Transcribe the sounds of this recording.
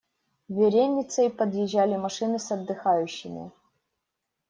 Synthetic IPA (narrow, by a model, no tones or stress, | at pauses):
vʲɪɾʲenʲːɪt̪səjpɐd̪jɪʑːalʲɪmɐʂɨnɨsɐd̪ːɨxajʉɕːɪmʲɪ̰